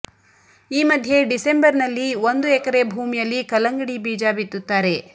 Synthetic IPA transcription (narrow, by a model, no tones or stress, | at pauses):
iːmɐd̪ʱje̞ɖise̞mbɐɾnɐlːiʋond̪uɛkɐɾe̞bʱuːmijɐlːikɐlɐŋɡɐɽibiːd͡ʒaːbit̪ːut̪ːaːɾe̞